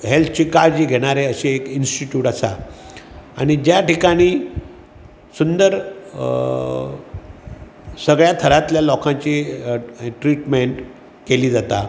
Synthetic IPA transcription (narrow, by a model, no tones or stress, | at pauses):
ɦelt̪ʰət͡ɕiːkaɾd͡ʑiːɡʱeɽ̃aɾeəɕiekinsʈiʈjuːʈasa̰ | a̰ɽ̃id͡ʑjaʈikaɽ̃iː | sund̪əɾ | səɡɭjat̪ʰəɾat̪ljalɔkʰãt͡ɕi | ʈɾiʈmeɳʈ | keliːd͡zat̪a